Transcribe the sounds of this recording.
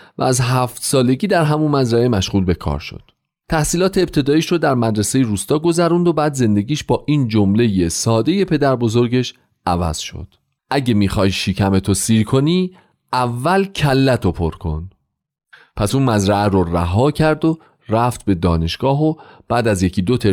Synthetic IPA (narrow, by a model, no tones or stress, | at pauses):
væ̰æzɦæft̪sɒːle̞ɟiːd̪æɾɦæmunmæzɾæʔemæʃɣuːlbe̞kʰɒ̰ːɾʃo̰d̪̥ | t̪ʰæhsiːlɒːt̪ʰeːb̚t̪ʰe̞d̪ɒːiʃɾod̪æɾmæd̪ɾesejeɾuːst̪ɒːɡo̞zæɾund̪obæːd̪ze̞nd̪e̞ɡiːʃbɒːʔiːnd͡ʒo̞mle̞jesɒːd̪e̞je̞pʰe̞d̪æɾbo̞zo̞ɾɟe̞ʃ | ʔævæ̰z̥ʃo̰d̪̥ | ʔæɟe̞miːxɒːjʃiːcʰæme̞t̪ʰosiːɾkʰo̞niː | ævːælcʰælːæt̪ʰopʰo̞̰ɾkʰo̞̰n | pʰæsuːnmæzɾæʔæɾoɾæɦɒːcʰæɾd̪o | ɾæft̪̚be̞d̪ɒːneʃɡ̥ɒːɦob̥æːd̪æzje̞cʰid̪o̞t̪ʰe